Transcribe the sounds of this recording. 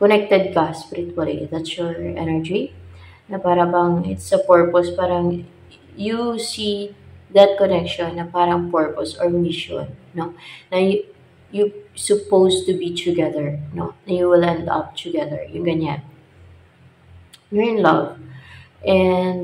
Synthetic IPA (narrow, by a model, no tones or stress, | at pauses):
kɔnɛk̚t̪ɛd̪̚kɐspɾɪt̪wɐlid̪at̪sjɔɹʔɛ̰nɛɹd͡ʒi | nɐpaːɾɐbɐŋɪt̪sɐpɔɹpɔspaːɾɐŋ | jusiðɐt̪̚kɔnɛkʃɔnːɐpaːɾɐŋpɔɹpɔsɔɹmɪʃɔ̰nːonɐj | jusʊpowst̪ubit̪ʰʊɡɛðɛɹno̰nɐjuwɪlɛ̃nd̪ɐ̰p̚t̪ʰʊɡɛðɛ̰ɹjʊŋɡɐɲan | jʊɹɪ̃nlɐ̰vʔɛnd̪